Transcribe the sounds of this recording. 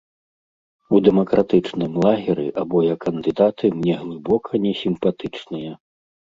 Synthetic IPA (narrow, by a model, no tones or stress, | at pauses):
ud̪ɛmɐkɾat̪ɨt͡ʂnɨmlˠaɣʲɛɾḭʔabɔjɐkːɐnd̪ɨd̪at̪ɨmnʲɛɣlˠɨbɔkʰɐnʲɛsʲimpat̪ɨt͡ʂnɨjɐ